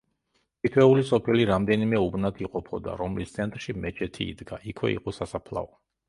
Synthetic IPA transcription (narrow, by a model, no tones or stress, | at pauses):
k̪ʰit̪ʰwɛulisɔpʰiliɾamd̪ɛnimɛubnat̪ʰiqʼɔpʰɔd̪a̰ɾɔmlist̪sʰɛnt̪ʼɾʃimɛt͡ʃʰʼɛt̪ʰḭːd̪ɡaʔikʰwɛ̰ḭqʼɔsasapʰla̰ɔ